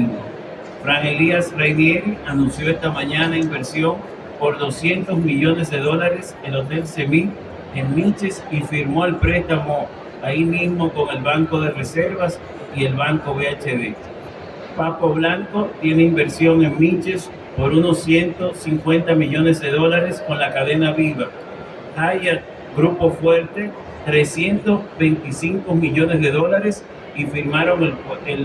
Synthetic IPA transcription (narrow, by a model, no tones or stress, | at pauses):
fɾaŋeliasrejmjeɾianũnsjo̞est̪amãɲanaimbe̞ɾsjo̞ŋ | po̞ɾðo̞sje̞nt̪o̞zmiʝone̞zðe̞ð̞o̞laɾe̞selot̪e̞lse̞mi | eŋmĩt͡ʃesifiɾmo̞elpɾe̞st̪amo̞ | aimizmo̞ko̞ŋe̞lβaŋko̞ðerese̞ɾβas | ie̞lβaŋko̞βeat͡ʃeβe | papoβlaŋko̞t̪je̞ne̞imbe̞ɾsjo̞ŋe̞ŋmit͡ʃe̞s | po̞ɾuno̞sːje̞nt̪o̞siŋkwe̞nt̪amiʝo̞ne̞zðe̞ðo̞laɾe̞sko̞nlakaðe̞naβiβa | aʝa | ɡɾupo̞fwe̞ɾt̪e̞ | t̪ɾe̞sje̞nt̪o̞zβe̞jnt̪isiŋkomiʝo̞ne̞zðe̞ðo̞laɾe̞s | ifiɾmaɾo̞ŋeel